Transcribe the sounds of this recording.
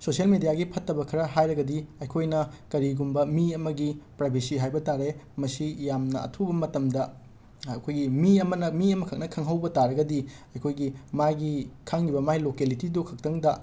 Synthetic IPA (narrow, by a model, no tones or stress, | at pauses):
sosielmedijaɡipʰɐtːɐbɐkʰɐɾɐɦajɾɐɡɐdiɐjkʰojnɐkɐɾiɡumbɐmiɐmɐɡipɾajbʱisiɦajbɐtaɾemɐsijamnɐ̰ɐ̰tʰubɐmɐtɐmdɐ | ɐ̰kʰojɡimiɐmɐnɐmiɐmɐkʰɐk̚nɐkʰɐŋɦɐwbɐtaɾɐɡɐdi | ɐjkʰojɡimajɡikʰaŋːibɐmajlokelitidukʰɐk̚tɐŋdɐ